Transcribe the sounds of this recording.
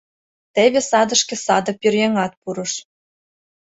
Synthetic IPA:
t̪eβĕsɑd̪ə̆ʃkĕsɑd̪ɤ̆pyrjeŋɑt̪̚puɾɤ̆ʃ

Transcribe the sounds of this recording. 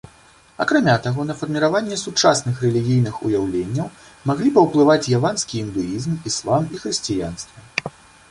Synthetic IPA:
akɾamʲat̪aɣɔnɐfɐrmʲiɾavanʲːɛsut͡ʂasnɨxrɛlʲiɣʲijn̪ɨxṵjawlʲenʲːɐw | maɣlʲipɐwplˠɨvat͡sʲjavanskʲiind̪ɨjizmislˠamixɾɨsʲt͡sʲija̰nst̪vɐ

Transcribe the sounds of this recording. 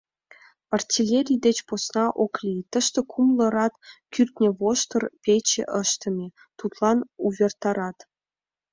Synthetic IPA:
ɑrtʲilʲeɾʲijd̪et͡ɕposnɑʔoklʲit̪əʃt̪ĕkʰumlə̆ɾɑt̪kyrt̪nʲĕβoʃt̪ə̆rpʲet͡ɕḛʔəʃt̪ə̆mʲe | t̪ut̪lɑnuβʲert̪ɑɾɑt̪

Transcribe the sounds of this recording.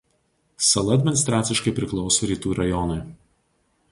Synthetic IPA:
sɐlˠɐɐd̪ʲmʲɪnʲɪst̪ɾɑːt̪sʲɪʃkɐɪpʲɾʲɪklˠɒʊsoːɾʲiːt̪uːɾɐjɔnɐɪ

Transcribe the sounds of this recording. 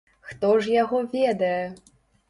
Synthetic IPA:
xt̪ɔʐjaɣɔvʲɛd̪ɐjɛ

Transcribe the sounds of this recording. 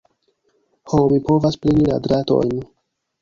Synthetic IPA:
homipo̞vasplinila̰dɾato̞̰jn

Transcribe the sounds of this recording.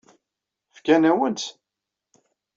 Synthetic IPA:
fkænæwənt͡s̪

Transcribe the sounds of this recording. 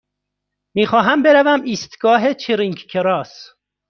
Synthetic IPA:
miːxɒːɦæmbeɾævæmiːst̪ɡɒːɦet͡ʃʰiɾiŋɡkʰeɾɒːs

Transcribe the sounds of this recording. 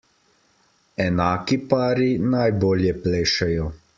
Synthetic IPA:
ɛnaːkipaːɾinajboːljɛpleːʃɛjɔ

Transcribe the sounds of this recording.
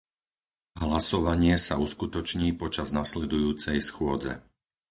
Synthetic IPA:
ɦlasɔʋaɲɪɛsauskut̪ɔt͡ʃɲiːpɔt͡ʃaznaslɛd̪ujuːt͡sɛjsxʊɔd͡zɛ̰

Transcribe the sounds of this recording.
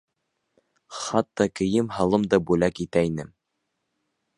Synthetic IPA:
χɑt̪ːɑkɘ̆jɘmhɑlˠɤmd̪ɑbʉlækit̪æinɘm

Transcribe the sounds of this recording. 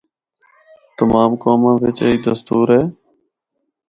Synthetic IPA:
t̪əmaːmkoːmãːʋɪt͡ʃeiːd̪əst̪uːɾɦeː

